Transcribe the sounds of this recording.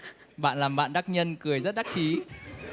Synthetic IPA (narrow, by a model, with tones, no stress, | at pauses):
ɓa̰ː˧˨nlaː˨˩mɓa̰ː˧˨nɗa˦˥k̚ɲə˧nkɨ˨˩əjzə˦˥t̚ɗa˦˥k̚t͡ɕi˨˦